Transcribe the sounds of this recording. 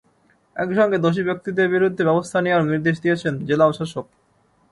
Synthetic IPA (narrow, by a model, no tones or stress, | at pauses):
ɛ̰kʃɔŋɡed̪oʃ̬ibjok̚t̪id̪eɾbiɾud̪ʱːebɛbost̪ʰaniaɾniɾd̪eʃ̬d̪ijet͡ɕʰend͡ʑelaoʃaʃok̚